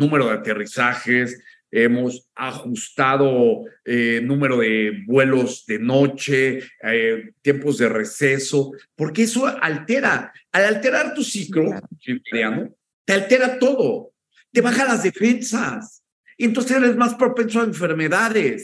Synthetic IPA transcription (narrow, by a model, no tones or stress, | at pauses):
nũme̞ɾo̞ðeat̪e̞risaxes | e̞mo̞saxust̪aðo̞enũme̞ɾo̞ðe̞βwe̞lo̞zðe̞no̞t͡ʃeet̪je̞mpo̞zðe̞re̞seso̞po̞ɾke̞eso̞alt̪e̞ɾa̰ːlalt̪e̞ɾaɾt̪usikɾosimaɾjano | t̪ealt̪e̞ɾat̪o̞ðo̞ | t̪e̞βaxalazðe̞fe̞nsas | ent̪o̞ns̬e̞seɾezmaspɾo̞pe̞nsoaeɱfe̞ɾme̞ðaðes